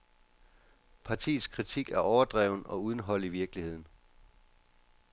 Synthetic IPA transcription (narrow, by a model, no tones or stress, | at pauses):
pʰɑ̈t͡sʰḭːð̩ˠskʰʁit͡sʰiɡ̥æɐɒʊɐd̥ʁɛʊnɒ̽uð̞ˠn̩ɦɒ̽l̰iʋiɐɡ̥lihe̝ð̞̰ˠn̩